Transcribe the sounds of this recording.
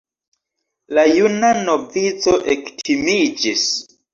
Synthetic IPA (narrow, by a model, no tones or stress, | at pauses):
lajunano̞vit͡so̞ʔektʰimid͡ʒis